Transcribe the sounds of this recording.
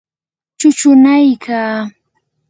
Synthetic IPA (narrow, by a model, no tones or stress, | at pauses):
t͡ʃʊt͡ʃʊnajkʰaː